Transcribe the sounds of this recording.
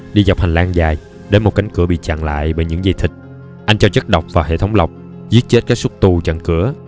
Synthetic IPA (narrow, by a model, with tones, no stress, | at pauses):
ɗi˧za˨˩wk͡p̚ha˨˩ŋ̟laː˧ŋzaː˨˩j | ɗeː˨˦jmo˨˩t̚ka˨˦ŋ̟kɨ˨˧˩əɓḭ˧˨t͡ɕa̰ː˧˨ŋla̰ː˧˨jɓəː˧˨˩jɲɨ̰˧˥ŋza˧jt̪ʰï˨˩k̟̚ | ʔa˧jŋ̟t͡ɕɔ˧t͡ɕə˦˥t̚ɗə˨˩wk͡p̚vaː˨˩ɦḛ˧˨t̪ʰə˨˦wŋ͡mla˨˩wk͡p̚ | zi˦˥ət̚t͡ɕe˦˥t̚kaː˦˥k̚su˦˥t̚t̪u˧˩t͡ɕə̰˧˨nkɨ˧˩ə